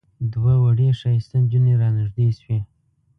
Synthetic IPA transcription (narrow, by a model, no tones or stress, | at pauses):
d̪wawaɽeʂɑjst̪and͡ʒuneɾɑnɪʐd̪eswe